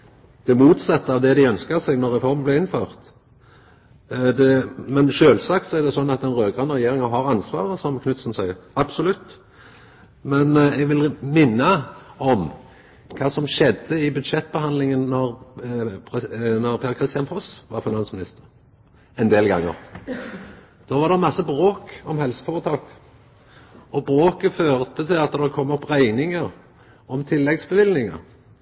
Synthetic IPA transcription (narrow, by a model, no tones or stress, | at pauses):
d̪̥ɛmuːt̪sɛt̪ːəɑʋd̪ɛd̪ɪœnskəɾsɛɡnɔɾːɛfɔɾmblɛɪnføːʁt̪ | d̪ɛmɛnʃøːlsɑk̚t̪sɔæʁd̪ɛsɔnːɑt̪d̪ɛnɾøːɡʁɑːnɾɛjeːɾɪŋəɦɑɾɑnsʋɑ̰ːɾəsɔmkʰnʉt̪snsæɪɑb̥sɔlʉt̪ː | mɛnɛɡʋɪlmɪnːəɔm | kʰɑːsɔmʃɛd̪ːəɪbʉd̪ʃɛt̪ːbəhɑnd̪lɪŋənːɔʁ | pʰnɔɾpʰeːɾkʰʁɪst̪ɪjɑnpʰɔsʋɑ̰ɾfɪnɑnsmɪnɪst̪ə̥ɾ | ɛnd̪eːlɡɑ̰ŋːə̰ʁ | d̪̥ɔːʋɑɾd̪ɛmɑsːəbʁoːkɔmhɛlsə̥fɔːʁət̪ʰɑːk | ɔbʁoːkəføːʁt̪ət̪ʰɪlɑt̪d̪ɛkʰɔmːɔpʁæɪnɪŋəɾ | ɔmt̪ʰɪlːɛɡsbəʋɪlnɪŋə̰ɾ